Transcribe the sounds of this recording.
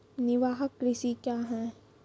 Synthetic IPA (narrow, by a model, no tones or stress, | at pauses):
nɪʋaːɦəkːɾɪʃikjaːɦɛ̃ː